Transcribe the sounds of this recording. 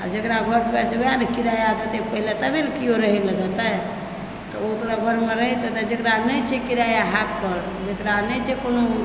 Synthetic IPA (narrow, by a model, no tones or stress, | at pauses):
a̰d͡ʒekɾaɡʱəɾd̪uaɾt͡ʃʰeojanekiɾajad̪ət̪ɛpəɦilet̪əbenkijoɾəɦiləd̪ət̪ə | t̪ɔot̪ɾaɡʱəɾmeɾəɦit̪ət̪əd͡ʒekɾanət͡ʃʰɛkiɾajaɦak̪pəɾ | d͡ʒekɾanəjt͡ʃʰɛkono